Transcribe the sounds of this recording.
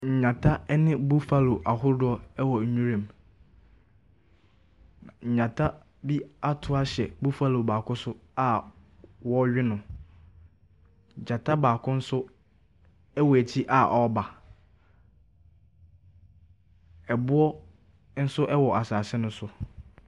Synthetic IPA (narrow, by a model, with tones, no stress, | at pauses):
ɲ̩˨ɲã˨tʰa˦nɪ̃˦bu˦fa˦lo˨ʔa˨ɦʊ˦ɾdʊ˦ɔ˦ɛ˦wɔ˨ɲᶣũ˦ɾẽ˨m | ã˨ɲ̩˨ɲã˨tʰa˦ | bi˦a˦tʰʊ˦a˦ɕɛ˨bu˦fa˦lo˨baː˨kʰʊ˦sʊ˦a˦ | wɔ˦ɥᶣɪ˦nʊ̃˨ | d͡ʑã˨tʰa˦baː˨kʰʊ̃˦n̩˦sʊ˦ | ɛ˦wɔ˨æ˨t͡ɕʰi˦ʔa˨ʔɔ˦ba˨ | ɛ˨bʊ˦ɔ˦ | n̩˦sʊ˦ʔɛ˦wɔ˨a˨saː˨sɪ˦nʊ̃˦sʊ˦